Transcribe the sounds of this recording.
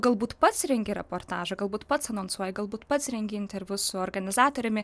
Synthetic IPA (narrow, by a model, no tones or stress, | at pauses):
ɡɐlˠbuːt̪pɐt̪sɾʲɛŋʲɡʲɪɾʲɛpoːɾt̪ɑːʒɐɡɐlˠbuːt̪pɐt̪sɐnoːnsuɔjɛɡɐlˠbuːt̪pɐt̪sɾʲɛŋʲɡʲɪɪnʲt̪ʲɛɾʲʋʲʊsʊɔːrɡɐnʲɪzɑːt̪oːɾʲɛmʲɪ